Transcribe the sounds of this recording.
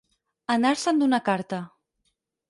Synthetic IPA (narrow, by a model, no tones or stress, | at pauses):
anaɾsənd̪unakaɾt̪ə